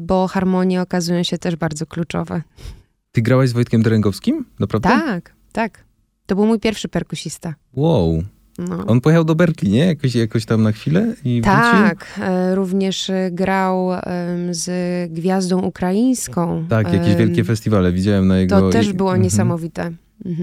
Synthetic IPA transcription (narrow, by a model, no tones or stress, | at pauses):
bɔxaɾmɔɲjɛɔkazujɔ̃w̃ɕɛt̪ɛʐbaɾd̪zɔklut͡ʂɔ̰vɛ̰ | t̪ɘɡɾawaʑzvɔjt̪kʲɛmd̪ɛɾɛŋɡɔfskʲimnapɾavdt̪aak | t̪ak | t̪ɔbɘwmujpʲjɛɾfʂɘpɛɾkuɕist̪a | waw | nɔɔnpɔjexawd̪ɔbɛɾklʲiɲɛjakɔɕjakɔ̃ɕt̪amnaxfʲilɛit̪at͡ɕikɾuvɲɛʂɡɾaw | zɡvʲjazd̪ɔ̃w̃ʔukɾajij̃skɔ̃w̃t̪akjakʲeʑvjɛlkʲɛfɛsʲt̪ʲivalɛvʲid͡ʑawɛmnajɛɡt̪ɔɔt̪ɛʐbɘwɔɲɲɛsamɔvʲit̪ɛ | m̩ɦm̩